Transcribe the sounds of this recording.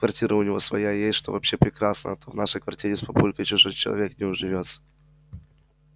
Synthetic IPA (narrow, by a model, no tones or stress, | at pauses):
kvɐrtʲiɾʔəʊnʲɪvo̞svɐjajesʲtʲʂt̪o̞vɐpɕːepɾʲɪkɾasnə̰t̪ʰovnaʂəjkvɐrtʲiɾʲɪspɐpulʲkəjt͡ɕʊʐojt͡ɕɪlˠɐ̰vʲeknʲɪʊʐɨvʲot̪sə̥